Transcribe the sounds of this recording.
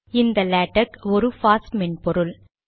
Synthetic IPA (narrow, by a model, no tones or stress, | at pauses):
ɪnd̪ɐlæːʈːɐkɔɾɯfaːsmɛnpɔɾɯl